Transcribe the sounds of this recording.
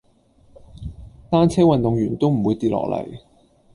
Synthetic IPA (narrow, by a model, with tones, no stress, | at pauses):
t̪aː˥nt͡sʰɛː˥wɐ˨nt̪ʊ˨ŋjyː˨˩nt̪o˥wm̩˨˩wuː˨˧jt̪iː˧˩t̚lɔ̰ː˨˩lɐ̰˨˩j